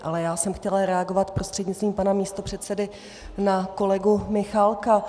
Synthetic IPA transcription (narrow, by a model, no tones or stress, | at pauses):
ʔalɛjaːsɛmxcɛlaɾɛaɡo̞vat̪pɾʔo̞st̪r̥ɛdɲɪtt͡st̪viːmpanamiːst̪o̞pr̥ɛt̪sɛdɪ | nako̞lɛɡumɪxalka